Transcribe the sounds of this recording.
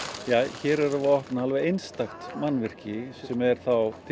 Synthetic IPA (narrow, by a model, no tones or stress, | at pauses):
jaːçɛːɾɛɾavaɔhpnaalvɛejnst̪axt̪manːvɪr̥cɪsɛmɛɾ̥θawt̪ʰ